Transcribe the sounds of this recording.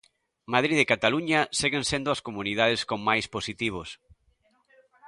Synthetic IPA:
mað̞ɾiðekat̪aluɲaseɣensend̪ʊɐskomunið̞aðeskoŋmajsposit̪iβ̞os

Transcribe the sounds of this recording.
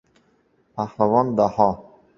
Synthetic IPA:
pʰahlavɔnd̪ahɔ

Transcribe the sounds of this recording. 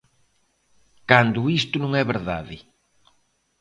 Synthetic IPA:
kand̪ʊist̪ʊnũŋɛβeɾða̰ðɪ

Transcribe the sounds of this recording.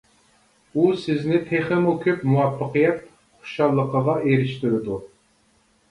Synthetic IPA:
usɪznɪt̪ʰeχɪmokʲʰypmuwɑpʰːəqɨjɛt̪̚ | χʊ̥ʃɑlˠːəqʰəʁɑʔeɾɪʃt̪yɾɪd̪u

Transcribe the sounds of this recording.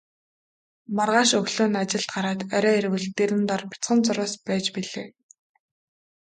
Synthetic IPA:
marʁaːʃɵɣɮoːnat͡ɕɪ̆ɬt̪̚ɢaɾaːt̪œɾʲɔːeɾwɘ̆ɮt̪eɾɘ̆nt̪ɔrpʲi̥t͡sχə̆nt͡sʊɾʊːspæːt͡ɕpiɮeː

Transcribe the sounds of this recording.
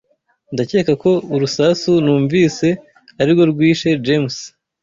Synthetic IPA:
ndace̞ːkako̞uɾusasunuːɱviːse̞ | aɾiɾɡo̞ɾɡwiːʃe̞d͡ʒems

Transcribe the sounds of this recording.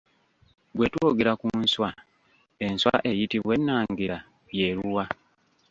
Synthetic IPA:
ɡwe̞twoɡeɾakunswa | e̞nswa̰ʔe̞jitiβwe̞nːaːŋɡiɾa | je̞ɾuwa

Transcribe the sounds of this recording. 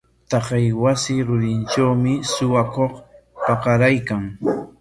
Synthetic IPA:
t̪ɑqɑjwasɪɾʊɾɪnʈ͡ʂawmɪsʊwakoχ | pɑqɑɾajkaŋ

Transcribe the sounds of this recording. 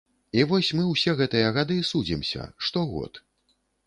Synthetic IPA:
ivɔsʲmɨwsʲɛɣɛt̪ɨjɐɣad̪ɨsud͡zʲimsʲɐ̰ʂt̪ɔɣɔ̰t̪

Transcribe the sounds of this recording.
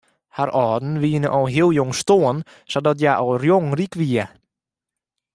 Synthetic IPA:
haɾɔːdn̩ʋiənəʔɔlˠɦiəlˠjoŋstoən | sadɔt̬jaʔɔrjoŋrikʋiə

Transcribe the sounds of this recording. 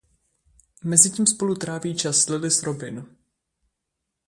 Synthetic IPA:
mɛzɪciːmspo̞lut̪ɾaːviːt͡ʃaslɪlɪsɾovɪnu

